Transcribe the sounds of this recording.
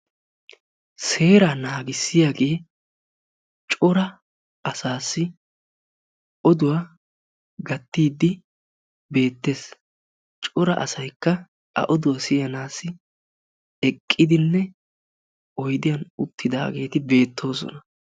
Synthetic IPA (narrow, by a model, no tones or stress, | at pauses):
se̞ːɾaːnaːɡɪsːɪjaːɡe̞ː | t͡ʃʼɔɾɐ | ʔɐsaːsːɪ | ʔɔd̪ʊwa | ɡɐt̪ːiːd̪ːɪ | be̞ːt̪ːe̞ːs | t͡ʃʼɔɾɐ̰ʔɐsɐjkːɐ | ɐ̰ʔɔd̪ʊwɐsɪjɐnaːsːɪ | ɛkʼːɪd̪ɪnːɛ | ɔjd̪ɪjɐnʊt̪ːɪd̪a̰ːɡe̞ːt̪ɪbe̞ːt̪ʰːo̞ːsɔ̰nɐ